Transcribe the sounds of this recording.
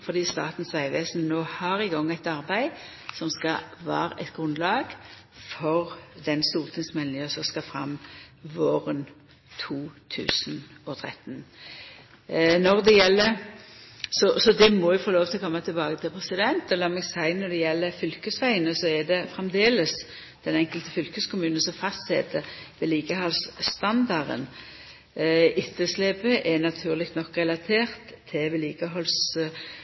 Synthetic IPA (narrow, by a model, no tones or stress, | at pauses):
fɔɾd̪iːst̪ɑ̰ːt̪n̩sʋæɪʋeːsnnoːhɑɾɪɡɔŋːæɪt̪ɑʁbæɪ | sɔmskɑʋæ̰ːɾə̰ʔɛt̪ɡʁʉnlɑːɡ | fɔʁd̪ɛnst̪uːlt̪ʰɪŋsmɛlnɪŋəsɔskɑfʁɑ̰mʋoːʁən | t̪ʰuːt̪ʰʉ̰ːsnɔt̪ʰɾɛ̰t̪n | nɔʁd̪ɛjɛlːəɾ | sɔsɔd̪ɛmɔjʊfoːloːʋt̪ʰɪlɔkɔmːət̪ʰɪlbɑːɡət̪ʰɪlpʰʁɛsɪd̪ɛnt̪ɔlɑːmɛɡsæɪnɔd̪ɛjɛlːəfʏlkəsʋæɪənəsɔɛd̪ɛfʁɛmd̪eːləs | d̪̥ɛnɛŋkəlt̪ə̥fʏlkəskʰʊmʉːnənsɔmfɑst̪sɛd̪əʋɛliːɡəhɑlst̪ɑnd̪ɑʁə̰n | ɪt̪ʰːəsleːpəʔɛnɑt̪ʰʉːʁlɪkt̪nɔkːʁɛlɑt̪ʰeːʁt̪ʰːɪʋɛliːɡ̥əɦɔls